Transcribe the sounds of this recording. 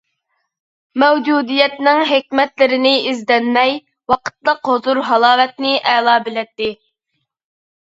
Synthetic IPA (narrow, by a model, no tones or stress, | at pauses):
mɛwd͡ʒud̪ijɛt̪nɪŋɦekʲmɛt̪lɪɾɪnɪizd̪ɛnmɛj | wɑqʰə̥t̪lˠəqɦozuɾɦɑlˠɑːwɛt̪nɪʔɛlˠɑːbɪlɛt̪ːɪ